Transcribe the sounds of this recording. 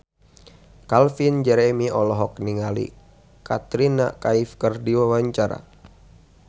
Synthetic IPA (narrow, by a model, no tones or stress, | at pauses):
kalfind͡ʒɛɾɛmiɔlɔɦɔkniŋalḭ | kat̪ɾina̰kaifkərdiwawaɲt͡ʃaɾa̰